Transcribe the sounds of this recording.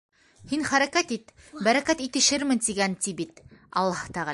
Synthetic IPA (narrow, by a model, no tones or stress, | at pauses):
hinχæɾækæt̪it̪ | bæɾækæt̪it̪ɘ̆ʃɘɾmɘnt̪iɡænt̪ibit̪ɑ̰lˠːɑhɤ̥t̪æʁæ